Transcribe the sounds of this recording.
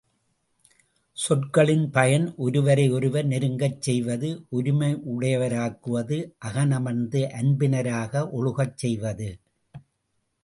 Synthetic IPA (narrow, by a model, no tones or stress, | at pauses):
sɔʈkɐɭɪnpɐjɐnʔɔɾɯʋɐɾɐɪɔɾɯʋɐɾnɪɾɯŋɡɐt͡ʃːsɛjʋɐðɯʔɔɾɯmɐɪʔʊɽɐjɐʋɐɾaːkːɯʋɐðɯʔɐɣɐnɐmɐnd̪ɯʔɐnbɪnɐɾaːɣɐʔɔɻɯɣɐt͡ʃːɛjʋɐðɯ